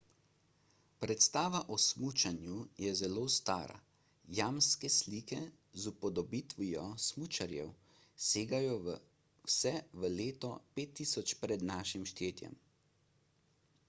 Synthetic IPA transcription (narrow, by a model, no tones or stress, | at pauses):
pɾɛt̪st̪aːʋaʔɔsmut͡ʃanjujɛzɛloːst̪a̰ːɾa̰ | jaːmskɛsliːkɛ | zupɔd̪ɔbit̪ʋijɔsmut͡ʃaɾjɛ̰w | seːɡajɔʋ | wsɛʋəleːt̪ɔpeːt̪ːisɔt͡ʃpɾɛd̪naːʃimʃt̪eːt̪jɛ̰m